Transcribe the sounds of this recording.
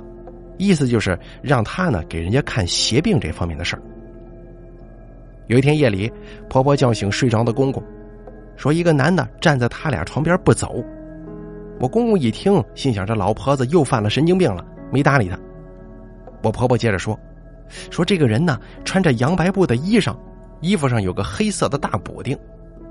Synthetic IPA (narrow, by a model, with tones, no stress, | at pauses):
i˥˩sɹ̩˧t͡ɕjo˥˧ʊʂɻ̩˥˧˩ | ɻɑ˥˩ŋt̪ʰa˥nə̰˨ke˨˩ɪɻə˧˥nt͡ɕja˥kʰa˥˩nɕjɛ˧˥pi˥˧ŋʈ͡ʂɤ˥˩fɑ˥ŋmjɛ̰˥˩nd̪ə˩ʂə̰˞˥˩ | jo˨˩ʊi˧t̪ʰjɛ˥njɛ˥˩li˨˩˦ | pʰɤ˧˥pʰɔ˧˥t͡ɕjɑ˥˩ʊɕi˧˥ŋʂwe˥˩ɪʈ͡ʂwɑ˥ŋd̪ə˨kʊ˥ŋkʊ˥˩ŋ | ʂwɔ˥i˧˥ɡə˧na˧˥nnə̰˨ʈ͡ʂa˥˧nt͡sa˥˩ɪt̪ʰa˥lj̰ʈ͡ʂʰwɑ˧˥ŋpjɑ˞˥pu˥˩t͡so̰˨˩˦ʊ | wʔɔ˨˩kʊ˥ŋkʊ˥˩ŋi˨˩t̪ʰi˥ŋɕi˥˩ŋɕjɑ˨˩ŋʈ͡ʂə˥˩lɑ˧˥ʊpʰɤ˥d͡z̩˧jo˥˧ʊfa˥˩nlə˩ʂə˥nt͡ɕi˥ŋpi˥˩ŋlə̰˩ | me˧˥ɪt̪a˧˥li˨˩t̪ʰa˥ | wɔ˨˩pʰɤ˧˥pʰɔ˧˥t͡ɕjɛ˥˩ʈ͡ʂə˨˩ʂwɔ˥ | ʂwɔ˥ʈ͡ʂɤ˥˩ɡə˩ɻə˧˥nə˨ | ʈ͡ʂʰwa˥nt͡sa˥˩ɪjɑ˧˥ŋpa˧˥ɪpu˥˩d̪ə˩i˥ʂɑ̰˥˩ŋ | i˥fu˧ʂɑ˥˩ŋjo˨˩ʊɡə˧xe˥ɪsɤ˥˩d̪ə˩˦t̪a˥˩pṵ˨˩t̪i˥˩ŋ